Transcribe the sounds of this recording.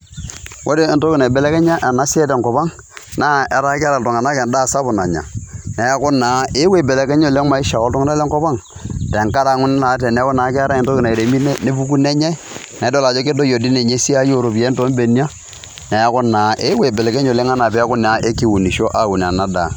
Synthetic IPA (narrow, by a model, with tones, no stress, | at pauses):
wo˦de˦˨nto˦kɪ˨na˨bɛ˨le˦kɛ˦ɲa˦ʔa˨na˦sɪ˦ɛ˦tɛ˨ŋkɔ˨ba˦ŋ | na˦e˨ɾa˦ka˦ɾa˨ltɔ˨ŋa˨na˦ke˨nda˦˨sa˦bʊ˨na˨ɲa̰˨ne˨˦kʊ˦naː˨˦e˦we˦˨bɛ˨le˨ke˦ɲ˦˨le˦ma˨ɪ˦ʃa˨wɔ˦ltɔ˦ŋ˦na˦lɛ˦ŋkɔ˦ba˦ŋ | tɛ˨ŋka˦ɾa˨˦ŋʊ˦n˦na˨˦tɛ˨nɛ˦kʊ˦na˨˦ka˦ɾa˦e˨nto˦kɪ˨na˨i˨ɾe˨mi˦ne˦pu˦ku˦nɛ˦ɲɛ˦ | na˨˦do˦la˨d͡ʒo˦ke˦do˦jo˨di˦ne˨ɲe˦si˦a˦jo˦˨ɾo˨pe˦to˦m˦be˨ni˦a˦ | ne˨a˦kʊ˦naː˨ʔe˦we˨bɛ˨lɛ˨ke˦ɲo˨le˦ŋa˦na˨pɛ˨˦kʊ˦n˨a˨˦ʔe˦ki˦˨wu˨ni˨ʃo˦ʔa˨u˨n˨a˨na˨da̰˨